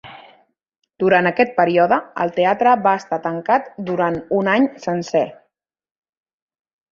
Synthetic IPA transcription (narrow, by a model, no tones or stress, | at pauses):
d̪̥uɾanəkɛt̪̚pəɾiɔðəə̰lˠt̪eat̪ɾəβaəst̪at̪əŋkat̪d̪uɾanunaɲsənsɛ